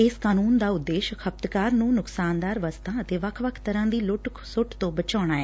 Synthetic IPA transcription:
ɪskaːnuːnd̪aːʊd̪ːeːʃkʰəp̚t̪kaːɾnũːnʊksaːnd̪aːɾʋəst̪ʰãːət̪eːʋəkʰʋəkʰt̪əɾãːd̪iːlʊʈksʊʈt̪õːbət͡ʃaːɽ̃aːɛː

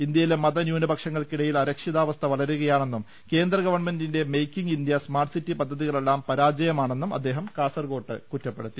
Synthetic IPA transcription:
ind̪jɐjilemɐðɐnjuːnɐbʱɐkʂɐŋːɐɭkiɽɐjilɐɾɐkʂiðaːʋɐst̪ʰɐʋɐɭɐɾuɣɐjaːɳe̞nːum | ke̞ːnd̪rɐɡɐʋɐrɳme̞ndinde̞mejkːiŋɡind̪jɐsmaːrʈsitːipɐd̪ʱːɐðiɣɐɭe̞lːaːmpɐɾaːd͡ʑɐjɐmaːɳe̞nːumɐ̰d̪ːe̞ːɦɐmkaːsɐrɡo̞ːʈːɨkutːɐpːe̞ɽut̪ːi

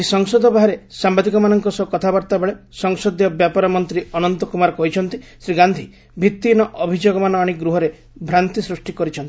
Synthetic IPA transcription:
isɔŋsɔd̪ʱɔbaɦaɾesambad̪ikɔmanɔŋkɔsɔkɔt̪ʰabaɾt̪abeɭesɔŋsɔd̪jɔbjapɔɾɔmɔnt̪ɾiɔnɔnt̪ɔkumaɾɔkɔɦit͡ʃʰɔnt̪isɾiɡand̪ʱi | bʱit̪ːinɔʔɔbʱid͡ʒoɡɔmanɔaɽ̃iɡɾuɦɔɾe | bʱɾant̪isɾusʈikɔɾit͡ʃʰɔnt̪i

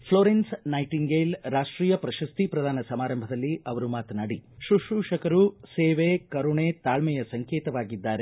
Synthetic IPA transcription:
pʰloːɾensnɐjʈiŋɡeːlɾaːʂʈɾiːjɐpɾɐʃɐst̪ipɾɐd̪ʱaːnɐsɐmaːɾɐmbʱɐd̪ɐlːiʔɐʋɐɾumaːt̪ɐnaːɽiʃuʂuːʂɐkɐɾuseːʋekɐɾuɳet̪aːlmɛjɐsɐŋkeːt̪ɐʋaːɡid̪ːaːɾe

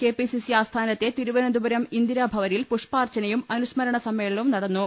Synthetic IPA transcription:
ke̞ːpisisiaːst̪ʰaːnɐt̪ːe̞t̪iɾuʋɐnɐnd̪ubɐɾɐmind̪iɾabʱɐʋɐnilpuʂpaːrt͡ɕɐnɐjumɐnusmɐɾɐɳɐsɐmːeːɭɐumnɐɽɐnːu

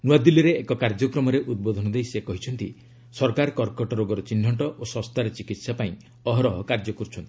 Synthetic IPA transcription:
nuwad̪ilːiɾeːkɔkaɾd͡ʒɔkɾɔmɔɾeʔud̪̚bod̪ʱɔnɔd̪ejsekɔɦit͡ʃʰɔnt̪i | sɔɾkaɾkɔɾkɔʈɔɾoɡɔɾɔt͡ʃinːɔɳʈɔʔosɔst̪ʰaɾet͡ʃikit̪sapaĩ | ɔɦɔɾɔɦɔkaɾd͡ʒɔkɔɾt͡ʃʰɔnt̪i

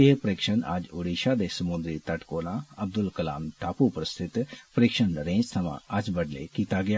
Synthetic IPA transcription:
ɪpəɾɪːkʃəna̰ːd͡ʒoːɽiːʃaːd̪eːsəmʊ̃nd̪ɾit̪əʈkoːlãːəb̚d̪ʊlkəla̰ːmʈʰaːpuːpɾəst̪ʰɪt̪pəɾɪkʃənəɾẽːd͡ʒt̪ʰɐʋã̰ːʔəd͡ʒbəɖlḛːkiːt̪aːɡɪjaː

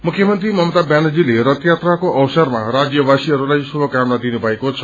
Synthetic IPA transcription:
mʊkʰjəmənt̪ɾimɔmt̪abɛnd͡ʒileɾət̪jat̪ɾakoʔəʋsəɾmã̰ɾad͡ʒjəʋasiəɾulajsubʱəkamnad̪inubajkot͡ʃʰə̥

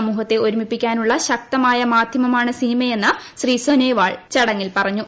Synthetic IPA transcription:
muːɦɐt̪ːe̞o̞ɾumipːikʲːaːnuɭːɐɕɐk̚t̪ɐmaːjɐmaːd̪ʱjɐmɐmaːɳɨsinimɐje̞nːɐɕriːsoneːʋaːɭt͡ɕɐɽɐŋːilpɐrɐɲːu

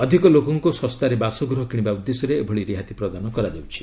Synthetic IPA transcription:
ɔd̪ʱikɔlokɔŋkusɔst̪aɾebasɔɡɾɔɦɔkiɽ̃ibaud̪ːesɔɾeːbʱɔɭiɾiɦat̪ipɾɔd̪anɔkɔɾad͡ʒawt͡ʃʰi̥

